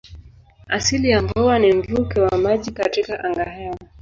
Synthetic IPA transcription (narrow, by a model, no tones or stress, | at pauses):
asilijaɱvɔwanim̩vukɛwamaʄikatikaʔaŋɡahɛwa